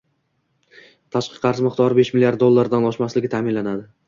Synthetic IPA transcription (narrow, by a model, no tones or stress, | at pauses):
t̪ʰaʃqʰɨ̥qqʰːɑɾsmɨqt̪ʰɒɾɪbeʃmɪlijaɾd̪olˠːaɾd̪anɒʃmaslɪɡʲɪt̪ʰaːmɪnlanad̪ɪ